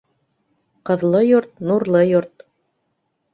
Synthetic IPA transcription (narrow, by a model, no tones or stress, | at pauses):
qɤ̆ðlˠɤjoɾt̪̚nuɾlˠɤjoɾt̪